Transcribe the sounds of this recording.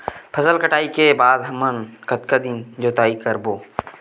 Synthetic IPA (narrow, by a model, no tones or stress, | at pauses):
pʰəsəlkəʈaːikebaːd̪ɦɐmənkət̪kad̪ind͡ʒoːt̪aːikəɾboː